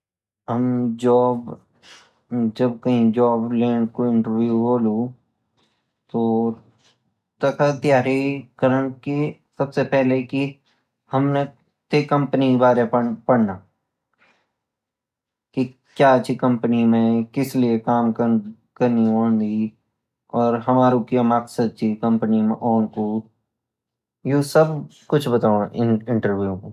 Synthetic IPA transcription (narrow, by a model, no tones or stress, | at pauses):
ɦɐmd͡ʒɔːb | d͡ʒɐb̚kɐɦĩd͡ʒɔːbleːʈkoɪ̃ɳʈəɾʋjuɦoːlu | t̪o | t̪ɐkat̪ɪjaːɾikəɾəɳ̃kisɐbsepɛɦleki | hɐmne | t̪ekɐ̃mpənibaːɾepɐɽnaː | ki | kjaːt͡ʃʰikɐ̃mpnimẽkɪsliekaːmkə | kɐɾnioːnd̪i | ɔːɾɦɐmaːɾõkimaksəd̪̚t͡ʃikɐ̃mpənimẽʔɔːnko | josɐb | kʊt͡ʃʰbɐt̪aːõɪnɪ̃ɳʈəɾʋuõko